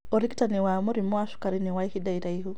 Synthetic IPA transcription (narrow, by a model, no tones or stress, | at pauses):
ɔɾiki̥taniwamuɾimɔaʃu̥kaɾiniwaihidaiɾaiɦu